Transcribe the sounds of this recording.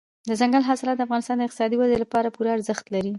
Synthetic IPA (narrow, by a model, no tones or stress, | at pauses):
d̪əzaŋɡalɦɑsɪlɑt̪̚d̪afɣɑnɪst̪ɑnd̪əɪq̚t̪ɪsɑd̪iwazelapɑɾapuɾaaɾzəxt̪laɾi